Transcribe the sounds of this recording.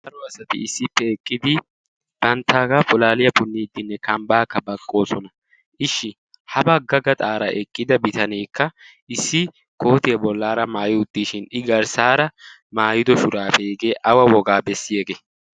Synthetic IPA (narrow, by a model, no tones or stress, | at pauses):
t̪ɐɾɔɐsɐt̪ɪ̰ɪsːɪpːɛːkʼːɪd̪ɪ | b̥ɐnt̪ːaːɡɐfʊlaːlɪjɐpʊnːiːd̪ːɪnːɛkɐmbaːkːɐbɐkʼːo̞ːsɔnɐ | ʔɪʃːɪ | hɐbɐɡːɐɡɐt̪ʼaːɾɐʔɛkʼːɪd̪ɐbɪt̪ɐneːkːɐʔɪsːɪ | ko̞ːt̪ɪjɐbɔlːaːɾɐmaːjɪʊt̪ːiːʃɪnɪɡɐɾsaːɾɐ | maːjɪd̪ɔʃʊɾaːfɛjɛɡeːʔɐwɐwɔɡaːbɛsːɪjeːɡe